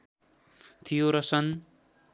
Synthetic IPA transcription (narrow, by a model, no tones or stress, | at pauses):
t̪ʰijoɾʌsʌn